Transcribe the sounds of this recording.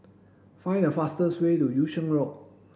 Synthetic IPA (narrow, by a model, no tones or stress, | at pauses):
fãɪ̃nəfastəswetujuʃə̃nɹok̚